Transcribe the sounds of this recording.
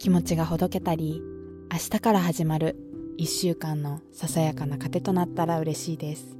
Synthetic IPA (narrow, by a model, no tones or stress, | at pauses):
kʲimo̞t͡ɕiɡaɦo̞d̪o̞ke̞t̪aɾʲi | aɕi̥t̪akaɾaɦaʑimaɾɯ̟ | iɕːɨːkãnːo̞sasajakanakat̪e̞t̪o̞nat̪ːaɾaɯ̟ɾe̞ɕiːd̪e̞sɨ̥